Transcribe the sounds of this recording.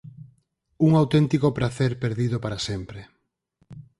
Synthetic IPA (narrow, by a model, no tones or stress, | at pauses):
uŋawt̪ɛnt̪ikopɾaθeɾpeɾðiðopaɾasempɾe